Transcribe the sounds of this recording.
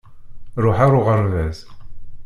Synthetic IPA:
ɾˤʊħaɾʊʁəɾvæz

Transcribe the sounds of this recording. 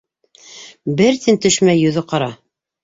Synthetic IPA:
bɘɾt̪int̪ɵ̆ʃmæjːɵ̆ðɤqɑɾɑ

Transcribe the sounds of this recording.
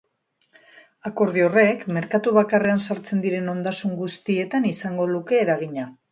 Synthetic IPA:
ako̞ɾðio̞re̞kmeɾkat̪uβ̞akare̞ansaɾt͡se̞nd̪iɾe̞no̞nd̪asuŋɡust̪ie̞t̪anisaŋɡo̞luke̞ːɾaɣ̞iɲa

